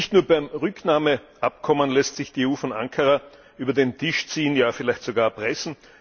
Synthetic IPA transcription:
ɪçtnuːɐbaɪmʁʏknaːməʔap̚kʰɔmənlɛstsɪçd̥iːeuːfɔna̰ŋkʰɐʁa | ʔyːbɐdeːntʰɪʃt͡siːənjaːfɪlæɪçtz̥oɡaːɐpʁ̥ɛsn̩

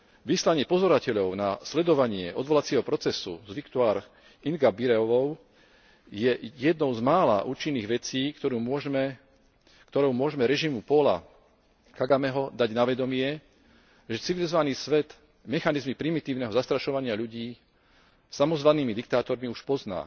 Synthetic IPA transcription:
ʋislaɲɪɛpɔzɔɾacɛʎɔʊnaslɛd̪ɔʋaɲɪɛʔɔd̪ʋɔlat͡sɪɛɦɔpɾɔt͡sɛsṵzʋikt̪uaːɾ | iŋɡabiɾɛɔʋɔʊ | jɛjɛd̪nɔʊzmaːla̰ʔuːt͡ʃinːiːɣʋɛt͡siːkt̪ɔɾumɔmɛ | kt̪ɔɾɔʊmʊɔʒmɛɾɛʒimupɔla̰ | kaɡamɛɦɔd̪aɟnaʋɛd̪ɔmɪɛ | ʒɛt͡siʋilizɔʋaniːsʋɛd̪ | mɛxanizmipɾimit̪iːʊnɛɦɔzast̪ɾaʃɔʋaɲɪaʎuɟiː | samɔzʋanːiːmid̪ik̚t̪aːt̪ɔɾmiuʃpɔzna̰ː

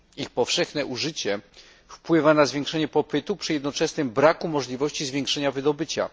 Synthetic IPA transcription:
ixpɔfʂɛxnɛʔuʐɘt͡ɕɛ | fpwɘvanazvʲjɛ̃ŋkʂɛɲɛpɔpɘt̪upʂɘjɛd̪nɔt͡ʂɛsnɘmbɾakumɔʐlʲivɔɕt͡ɕizvʲjɛ̃ŋkʂɛɲavɘd̪ɔbɘt͡ɕa̰

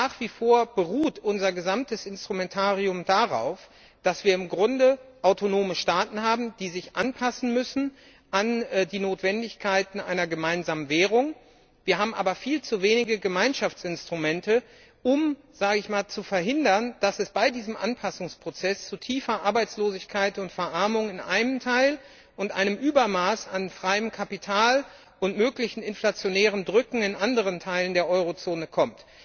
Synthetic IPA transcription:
naːχv̥iːfoːɐb̥əʁuːtʔʊnzɐɡəzamtəsɪnstʁ̥umɛntʰaːʁiʊmdaʁa̰ʊf | d̥asv̥iːɐɪmɡʁʊndəʔaʊtonoːməʃtaːtn̩haːbm̩d̥iːzɪçʔanpʰasn̩mʏsn̩ | ʔandiːnoːtv̥ɛndɪçkʰaɪtn̩ʔa̰ɪnɐɡəmaɪnzaːmənvɛːʁ̞ʊŋ | viːɐɦaːbm̩ʔa̰ːbɐfiːlt͡suveːnɪɡəɡəmaɪnʃaft͡sɪnstʁ̥umɛntə | ʔʊm | z̥aːɡəɪçmaːlt͡sufɛɐɦɪndɐnd̥asɛsb̥aɪdiːzəmʔa̰npʰasʊŋspʁ̥ot͡sɛst͡sutʰiːfɐʔaɐbaɪt͡sloːzɪçkʰaɪtʊntfɛɐʔaɐmʊŋɪnʔa̰ɪnəmtʰaɪl | ʔʊntʔa̰ɪnəmʔyːbɐmaːsanfʁ̥aɪəmkʰapitʰaːl | ʔʊntmøːklɪçn̩ɪnflat͡sjonɛːʁ̞əndʁʏkŋ̩ɪnʔandəʁ̞əntʰaɪləndeːɐʔɔʏʁot͡soːnəkʰɔmt

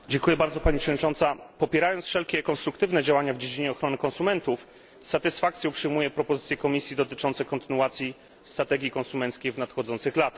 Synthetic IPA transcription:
d͡ʑɛŋkujɛbaɾd̪zɔpaɲipʂɛdɲʲit͡ʂɔ̃nt̪sapɔpʲjɛɾajɔnsfʂɛlkʲɛkɔnst̪ɾukt̪ɘvnɛd͡ʑawaɲavd͡ʑed͡ʑiɲɛɔxɾɔnɘkɔ̃nsumɛnt̪uf | sat̪ɘsfak̚t̪sjɛupʂɘjmujɛpɾɔpɔzɘt̪sʲjɛkɔmʲisʲjid̪ɔt̪ɘt͡ʂɔnt̪sɛkɔnt̪ɘnuat̪sʲji | st̪ɾat̪ɛɡʲikɔnsumɛnt̪skʲejvnat̪xɔd̪zɔnt̪sɘxlat̪ax

